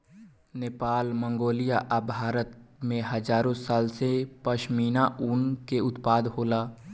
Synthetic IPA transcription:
neːpaːlmə̃ŋɡoːlijaʔabʱaːɾət̪mẽɦəd͡ʒaːɾõsaːlsepəʃmiːnaʊnkeʊt̪paːd̪ɦoːlaː

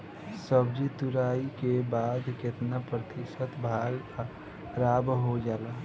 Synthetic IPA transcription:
səbd͡ʒit̪uɾaikebad̪ket̪napɾət̪isət̪bʱaɡ | ɾabɦod͡ʒaːla

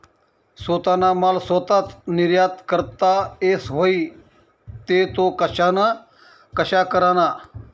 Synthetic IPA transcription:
soːt̪aːnaːmaːlsoːt̪at̪nɪɾjaːt̪kəɾt̪aeːsɦoːiː | t̪eːt̪okəʃana | kəʃaːkəɾaːnaː

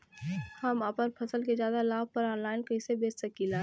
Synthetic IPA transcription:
hɐmapənpʰɐsəlkezjaːd̪alaːb̚pɐɾɔːnlaːɪnkɐɪsebeːt͡ʃsɐkilaː

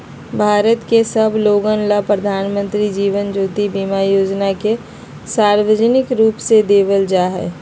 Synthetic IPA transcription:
bʱaːɾət̪kesəbʱloːɡənlapɾəd̪ʱaːnmə̃nt̪ɾid͡ʒiːʋənd͡ʒoːt̪ibimajoːd͡ʒnake | saːɾʋəd͡ʒənɪkɾuːpsed̪eːʋəld͡ʒaːɦɛ̰ː

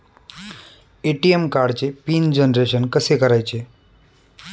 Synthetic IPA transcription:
eʈiemkaɽt͡ɕepiːnd͡ʑənɾeʃənkəsekəɾajt͡ɕʰe

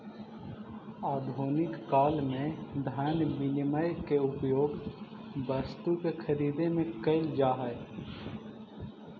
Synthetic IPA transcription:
aːd̪ʱoːnɪkːaːlmẽd̪ʱaːnʋinməjkeʊpjoːɡ | bəɾst̪ukekʰəɾiːd̪ẽmẽkɐɪld͡ʒaːɦɛ

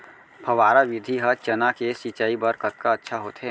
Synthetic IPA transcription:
pʰɐʋaːɾaʋɪd̪ʱiɦɐt͡ʃɐnakesit͡ʃaːibəɾkət̪̚kaətːʃʰaɦoːt̪ɦɛː

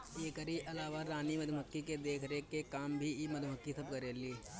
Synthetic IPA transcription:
eːkɐɾiʔɐlaːʋaɾaːnimɐd̪ʱmɐkːiked̪eːkʰɾekekaːmbʱiimɐd̪ʱmɐkːisɐb̚kɐɾeːliː

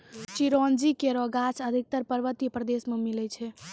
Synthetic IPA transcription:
t͡ʃiɾɔnd͡ʒikeɾɔɡat͡ʃʰəd̪ʱik̚t̪əɾpəɾʋət̪ipɾəd̪esmemilɛt͡ʃʰɛ

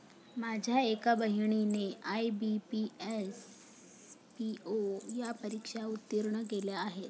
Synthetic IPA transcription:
mad͡ʑʱjaekabəɦiɳ̃ineʔajbipies | piʔojapəɾikʂaut̪ːiɾɳək̬eljaːɦet̪̚

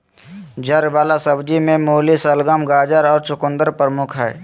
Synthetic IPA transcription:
d͡ʒəɾʋaːlasəbd͡ʒimẽmoːlisəlɡəmɡaːd͡ʒəɾɔːɾt͡ʃʊkʊ̃nd̪əɾpəɾəmʊkʰɦɛ̰ː

